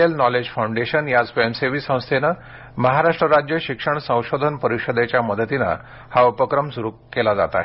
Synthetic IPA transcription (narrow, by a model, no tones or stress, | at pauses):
elnɔled͡ʑfawɳɖeɕənjad͡zfemseʋiːsə̃w̃st̪ʰenə | məɦaɾaʂʈɾəɾad͡ʑjəɕikʂəɳsə̃w̃ɕod̪ʱənpəɾiɕod̪et͡ɕjaməd̪ʱət̪ina̰ | haupəkɾəmsuɾukkːelad͡za̰t̪a̰